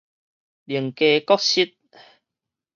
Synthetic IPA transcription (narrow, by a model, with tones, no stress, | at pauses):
li˨˩əŋke˧kɔ˦˥k̚ɕi˦˥t̪̚